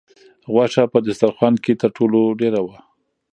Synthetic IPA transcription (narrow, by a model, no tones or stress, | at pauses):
ɣwaʂapəd̪ʊst̪aɾxwanket̪əɾʈʰoloɖeɾawa